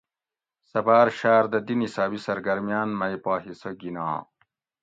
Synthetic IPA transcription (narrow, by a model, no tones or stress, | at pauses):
sɐbaːɾʃaːɾd̪ɐd̪inisaːbisɐɾɡɐɾmjaːnmɐjpaːɦisoɡinã̰ː